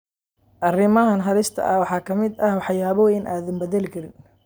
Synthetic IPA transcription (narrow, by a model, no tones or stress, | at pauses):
ʔɐrɪmɐɦɐnɦɐɾɪst̪ʰɐ̰ʔɐwɑħɑːkʰɐmɪd̪ɐhwɑħjaːβɔːjɪnʔaːðɐmbɐðɛlɪkʰɐɾɪn